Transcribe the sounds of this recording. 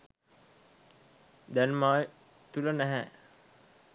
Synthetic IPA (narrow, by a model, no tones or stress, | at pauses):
d̪ænmaːj | t̪ulənæɦæ